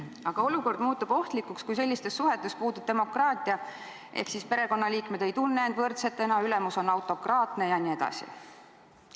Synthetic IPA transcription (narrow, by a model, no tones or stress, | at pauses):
ɑɡ̥ɑo̞luko̞rd̪muːt̪ːˑub̥o̞ht̪likːukskujs̬e̞lʲːist̪e̞sːuɦe̞t̪ːˑespuːd̪ub̥̚t̪e̞mo̞krɑːt̪ˑiɑ | ʔḛhksispe̞ɾe̞ko̞nːɑliːkme̞d̪̥e̞jt̪unːeend̪vɤrt̪se̞t̪ːˑe̞nɑylemuso̞nɑwt̪ˑo̞krɑːt̪ne̞jɑnie̞d̪̥ɑ̰sḭ